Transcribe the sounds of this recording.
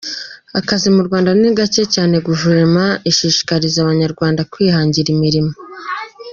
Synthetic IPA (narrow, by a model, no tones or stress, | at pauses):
akazimuɾɡwaːndaniɡat͡ʃe̞caːne̞ɡuʒuɾemaiʃiːʃi̥kaɾizaβaɲaɾɡwaːndakwiːhaːɲɟiɾimiɾimo